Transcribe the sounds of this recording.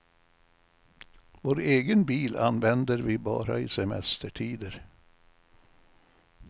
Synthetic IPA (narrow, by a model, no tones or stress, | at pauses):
voːɾeːɡənbiːlanʋɛnd̪əɾviːbɑ̰ːɾa̰iːsɛmɛst̪əʈʰiːd̪əɾ